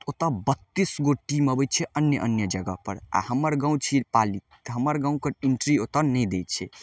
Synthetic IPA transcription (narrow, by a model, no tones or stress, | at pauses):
ot̪əbət̪ːisɡoʈiməbət̪̚t͡ʃʰɛʔənjəʔənjəd͡ʒəɡə̰pəɾa̰həmːəɾɡãũt͡ʃʰipali | t̪ɦəməɾɡãũkəɾiɳʈɾiot̪ənɛjd̪ejt̪̚t͡ʃʰɛ